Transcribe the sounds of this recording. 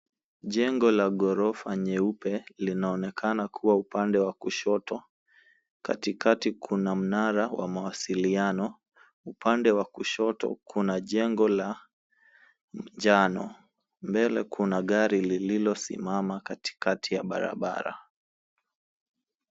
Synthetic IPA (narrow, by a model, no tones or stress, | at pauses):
ʄɛŋɡɔlaɠɔɾɔfaɲɛupɛlinaɔnɛkʰanakʰuwaupandɛwakuʃɔtʰɔ | ka̰tikatikʰunam̩naɾawʔa̰mawasilianɔ | upʰandɛwakuʃɔtɔ̰kʰunaʄɛŋɡɔla | m̩d͡ʒanɔ̰ | mbɛlɛ̰kʰunaɠaɾilililɔsḭmamakati̥katʰijaɓa̰ɾa̰ɓa̰ɾa̰